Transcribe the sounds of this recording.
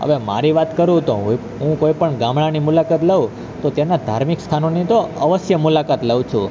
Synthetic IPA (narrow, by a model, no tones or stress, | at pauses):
ɦə̰ʋema̰ɾiʋat̪kəɾũt̪oɦu | ɦũkoipəɳɡãmɭanimulakat̪ləũ | t̪ot̪enad̪ʱaɾmikst̪ʰanonit̪oəʋəsjəmulakat̪ləũt͡ʃʰũ